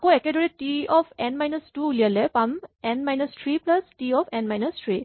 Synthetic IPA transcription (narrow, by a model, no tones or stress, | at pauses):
koekedɔɾiʈiɔfʰenmajnɐsʈuliəlepɐmenmajnəstʰɾiplɐsʈiɔfʰenmajnəstʰɾi